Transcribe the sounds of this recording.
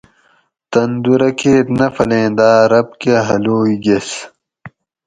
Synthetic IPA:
t̪ɐnd̪uɾɐkeːt̪nɐfɐlẽːnd̪aːɾɐb̚keɦɐloːiɡes

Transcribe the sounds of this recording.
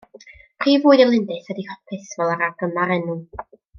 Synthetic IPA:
pʰr̥iːvuːɨdɛlˠɪndɨθɛdihɔpʰɪθvɛlˠaɾaɡəmaɾɛnu

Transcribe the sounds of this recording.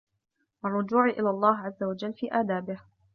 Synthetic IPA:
ʔɑrˤːʊd͡ʒuːʕʔɪlaːlˤːɑːɦʕazːawad͡ʒalːfiːʔaːd̪aːbɪh

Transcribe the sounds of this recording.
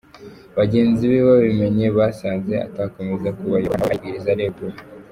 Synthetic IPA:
βaɟe̞ːnziβiβaβime̞ɲe̞βasaːnzea̰taako̞mezakuβajoβaaaɡiɾizaɾeɡuɾ

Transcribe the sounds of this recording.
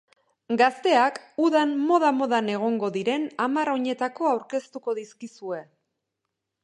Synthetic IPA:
ɡast̪e̞akuðanmo̞ð̞amo̞ðane̞ɣ̞o̞ŋɡo̞ðiɾe̞namaɾo̞ɲe̞t̪ako̞awɾke̞st̪uko̞ðiskisue̞

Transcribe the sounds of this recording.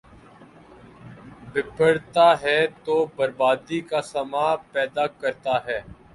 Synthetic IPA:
bɪpʰəɽt̪aːɦɛːt̪oːbəɾbaːd̪ikaːsəmaːpɛːd̪aːkəɾt̪aːɦɛː

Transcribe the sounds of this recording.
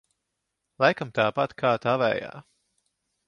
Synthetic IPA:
lˠajkamt̪aːpat̪kʰaːt̪avɛ̰ːja̰ː

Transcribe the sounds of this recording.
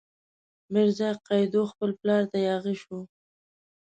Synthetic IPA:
mɪɾzɑjqɑjd̪oxpəlplɑɾt̪ajɑɣiʃu

